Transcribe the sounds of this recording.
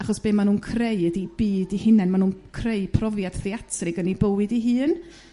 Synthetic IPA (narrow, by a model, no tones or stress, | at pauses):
aχɔsb̥eːmanuːnkʰrejdib̥iːdihɪnɛnmanuːnkʰrejpʰrɔvjad̥θiatʰrɪɡənibəwɨdiɦɨːn